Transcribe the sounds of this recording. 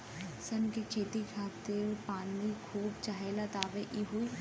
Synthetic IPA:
sɐnket͡ʃʰeːt̪ikʰaːt̪ɪɾpaːnlikʰuːbt͡ʃaɦelat̪aːʋeʔiɦoi

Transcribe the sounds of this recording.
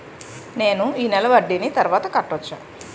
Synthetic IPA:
ne̞ːnuiːnɛlɐʋɐɖːinit̪ɐɾuʋaːt̪ɐkɐʈːot͡ʃːa̰ː

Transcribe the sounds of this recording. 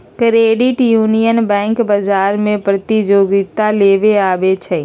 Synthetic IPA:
kɾeːɖɪʈjuːnijənbɛ̃ːŋkbɐzaːɾmẽpɾɐt̪id͡ʒoːɡit̪aleːʋeaːʋet͡ʃʰɛ

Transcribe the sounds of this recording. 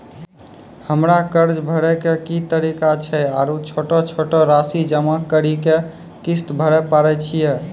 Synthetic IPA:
həmɾakəɾd͡ʒbʱəɾɛkekit̪əɾikat͡ʃʰɛaɾut͡ʃʰoʈɔt͡ʃʰoʈɔɾasid͡ʒəmakəɾike | kist̪bʱəɾɛpaɾɛt͡ʃʰijɛ

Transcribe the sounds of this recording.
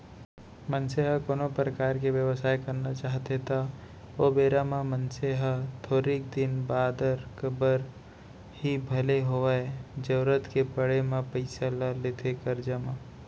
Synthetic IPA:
mə̃nseɦəkoːnõpɾəkaːɾkeʋjəʋəsaːjkɐɾnat͡ʃaːɦt̪et̪ʰa | obeːɾamãmə̃nseɦat̪ʰoːɾik̚d̪ɪnbaːd̪əɾkəbəɾ | hibʱəleɦoʋaed͡ʒɐʋɾət̪kepəɽemãpəɪsalaleːt̪ʰekəɾd͡ʒamã

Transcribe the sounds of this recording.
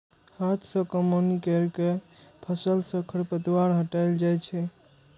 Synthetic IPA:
hat̪ʰsə̃kəmonikəɾkepʰəsəlsə̃kʰəɾpət̪iwaɾɦəʈaɪld͡ʒajt͡ʃʰɛ

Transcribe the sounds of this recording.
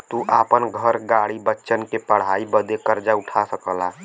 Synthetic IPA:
t̪uʔapənɡʱəɾɡaɽibətːʃənkepəɽ̤aibəd̪ekəɾd͡ʒauʈʰasəkəla

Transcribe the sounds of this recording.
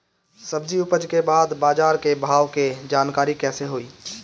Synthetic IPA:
səbd͡ʒiʊpəd͡ʒkebaːd̪baːd͡ʒaːɾkebʱaːʋked͡ʒaːnkaːɾikɛːseɦoːiː

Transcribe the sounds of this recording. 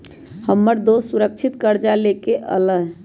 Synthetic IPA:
həmːəɾd̪osuɾək̚t͡ʃʰit̪kəɾd͡ʒalekeʔə̰ləɦ

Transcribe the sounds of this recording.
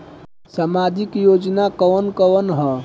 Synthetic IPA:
səmaːd̪ɪkjoːd͡ʒnakɔːnkɔːnɦɔː

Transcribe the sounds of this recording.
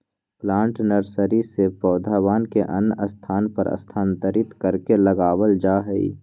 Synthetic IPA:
plãːɳʈnəɾsəɾisepɔːd̪ʱaːʋaːnkeʔə̰nəst̪ʰaːnpə̰ɾə̰st̪ʰaːnt̪əɾɪt̪kəɾkeləɡaːwəld͡ʒaːɦɛḭ

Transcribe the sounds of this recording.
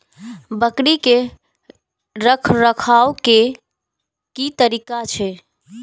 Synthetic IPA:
bəkɽike | ɾəkʰɾəkʰawke | kit̪əɾikat͡ʃʰɛ

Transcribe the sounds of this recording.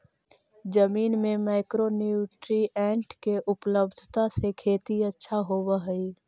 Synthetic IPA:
d͡ʒəmiːnmẽmaːɪkɾonuʈɾiʔɛ̃ːɳʈkeʔʊpləbd̪ʱt̪asekʰeːt̪iətːʃʰaɦoːwəɦəi

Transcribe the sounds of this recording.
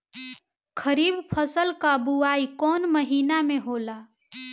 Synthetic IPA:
kʰəɾiːbpʰəsəlkabuaikɔːnməɦiːnamẽɦoːla

